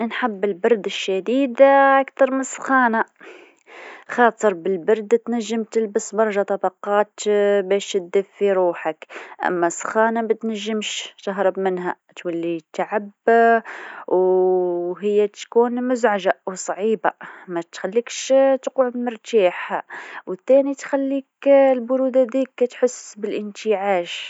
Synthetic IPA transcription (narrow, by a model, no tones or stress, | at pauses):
nħabːɪlbɑɾˤd̪ɪʃːad̪iːd̪ʔakt̪ɑɾˤmɪnsˤxɑːna | xɑːt̪ˤɨɾˤbɪlbɑɾˤd̪t̪naʒːɪmt̪ɪlbɪsbɑɾˤɑʒɑt̪ˤɑbɑqɑːt̪beːʃɪd̪ːɪfːiɾuːħakʔa̰mːasˤxaːnabɪt̪naʒːɪmʃt̪aɦɾˤɨbmɪnɦa | t̪walːit̪aʕab | w | ɦəjːæt̪kuːnmʊzʕaʒaʔwsˤʕiːba̰mæt̪xælːikʃt̪quʕʊd̪mʊɾˤt̪aːħhawət̪ːænit̪xælːiːklbʊɾud̪ad̪iːkːæt̪ħʊsbəlʔənt̪iʕaːʃ